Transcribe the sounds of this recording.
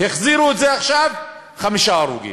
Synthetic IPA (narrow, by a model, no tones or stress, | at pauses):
heχziɾuetzeaχʃav | χamiʃaːɾṵɡḭ